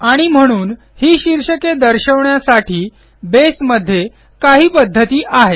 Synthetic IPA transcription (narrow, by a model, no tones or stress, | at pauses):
aɽ̃im̤əɽ̃uːn | hiːɕiɾɕəked̪əɾɕəʋɳjasaʈʰiː | besməd̪ʱːje | kaɦiːpəd̪ʱːət̪iːʔaɦe